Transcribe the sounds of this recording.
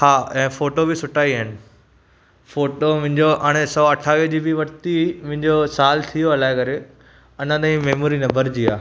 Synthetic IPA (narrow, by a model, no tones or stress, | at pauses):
haːɛ̃ːfoːʈobɪsʊʈʰaːiɦaːɦɪnɪ̆ | foːʈomʊ̃ɦɪ̃ɲd͡ʑoʔɐɽ̃esɔːɐʈʰaːʋid͡ʑiːbɪʋɐɾt̪imʊ̃ɦɪ̃ɲd͡ʑosaːlt̪ʰijoɐlaːɪkɐɾe | ɐnə̃d̪aĩmeɦmuːɾinɐbəɾd͡ʑiːaː